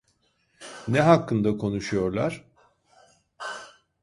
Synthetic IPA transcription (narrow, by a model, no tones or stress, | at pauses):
nɛɦakːɯnd̪akʰo̞nuʃujo̞ɾlˠaɾ̥